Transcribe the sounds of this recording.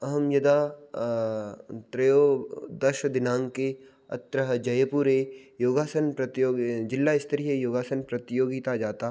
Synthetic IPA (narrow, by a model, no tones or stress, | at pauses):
ɐɦɐmjɐd̪a | t̪ɾɐjoːd̪ɐʃəd̪ɪnãːŋke | ɐ̰t̪ɾəɦəd͡ʒɐjəpuːɾejoːɡaːsənpɾɐt̪joːɡd͡ʒɪlːaɪst̪ɐɾiɦejoːɡaːsənpɾɐt̪joːɡɪt̪ad͡ʒaːt̪a